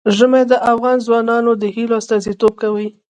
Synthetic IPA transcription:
ʒəmed̪əʔafɣɑnzwɑnɑnod̪əhiloast̪ɑzit̪ob̚kawəj

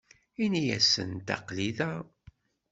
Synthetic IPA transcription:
inijæ̰sə̰nt̪ɑ̰qliðæ

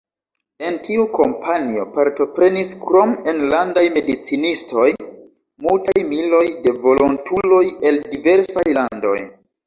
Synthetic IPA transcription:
e̞ntiuko̞mpʰanio̞̰paɾto̞pɾe̞niskɾo̞me̞nlandajme̞dit͡sinisto̞j | multajmilo̞jde̞vo̞lo̞ntulo̞je̞ldive̞ɾsajlando̞̰j

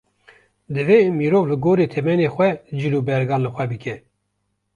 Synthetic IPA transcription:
d̪ɨveːmiːɾoːvlɨɡoːɾeːt̪ʰɛmɛneːxʷɛd͡ʒiluːbɛɾɡɑːnlɨxʷwɛbɨkʰɛ

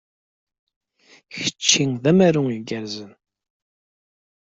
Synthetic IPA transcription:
çə̥t͡ʃːiŋðæmæɾuŋiɡæɾzən

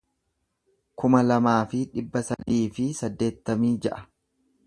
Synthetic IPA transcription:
kʊmɐlɐmaːfɪᶑɪbːɐsɐd̪iːfɪsɐd̪ːe̞ːt̪ːɐmiːd͡ʒɐʔɐ̥

